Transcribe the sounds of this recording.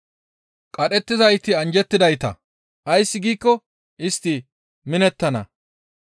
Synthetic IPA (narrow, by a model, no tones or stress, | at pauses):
kʼɐɗɛt̪ːɪzɐjt̪ɪɐnd͡ʒɛt̪ːɪd̪ɐjt̪ɐ̰ | ʔɐjsːɪɡiːkːɔ | ʔɪst̪ːɪ | mɪnɛt̪ːɐnɐ̰